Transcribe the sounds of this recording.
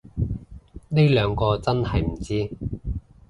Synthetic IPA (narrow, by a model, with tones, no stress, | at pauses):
ne˥lœː˨˧ŋkɔː˧t͡sɐ˥nhɐ˨jm̩˨˩t͡siː˥